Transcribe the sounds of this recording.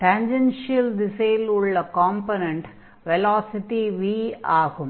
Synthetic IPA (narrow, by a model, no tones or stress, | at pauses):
ʈɐɲd͡ʒɛnʂɪɐld̪ɪseːlʊɭːɐkaːmponɐɳʈ | ʋɛlaːsɪʈiʋiːaːɣɯm